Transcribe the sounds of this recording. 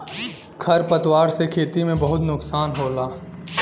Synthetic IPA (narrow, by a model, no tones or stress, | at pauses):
kʰɐɾpɐt̪waːɾsekʰeːt̪imẽbɐɦʊt̪nʊksaːnɦoːlaː